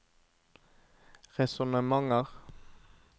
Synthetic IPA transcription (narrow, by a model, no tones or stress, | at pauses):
ʁɛsɔnəmɑŋəʁ